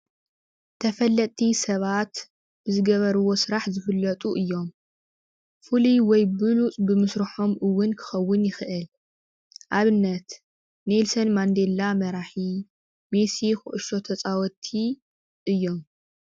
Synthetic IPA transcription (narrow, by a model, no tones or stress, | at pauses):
t̪ʰɐfɐlːɐt̪ʼʰːisɐβat̪ | b̥ɨzɨɡɐβɐɾɨwo̞sɨɾaħzɨfɨlːɐt̪ʼuʔɨjːo̞m | fuliwɔjbɨlut͡sʼbɨmɨsɾɨħo̞mʔɨwːʊnkʰɨ̥xɐwːʊnjɪxʔɨl | ʔaβɨnːɐt̪ | nelsɐnmand̪e̞lːamɐɾaħi | me̞sixɨʔʊʃo̞t̪ʰɐt͡sʼawɔt̪ʰi | ʔɨjːo̞m